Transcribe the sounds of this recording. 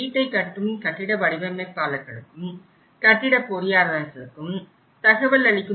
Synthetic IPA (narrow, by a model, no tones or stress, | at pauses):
iːʈːɐɪkɐʈːɯmkɐʈːɪɽɐʋɐɽɪʋɐmepːaːlɐkːɐɽɯkːɯm | kɐʈːɪɽɐpɔɾɪjaːɾðɐnsɐɾɯkːɯm | t̪ɐɣɐʋɐlːɐlɪkːɯ